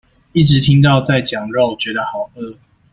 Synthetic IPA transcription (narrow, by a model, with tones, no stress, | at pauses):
i˥˩ʈ͡ʂɻ̩˨˦t̪ʰi˦ŋt̪̬ɑ˥˧ʊt͡sa˥˨ɪt͡ɕjɑ˨˩ŋɻo˥˨ʊt͡ɕɥɛ˧˦d̪ə˨xɑ˨˩ʊʔə˥˧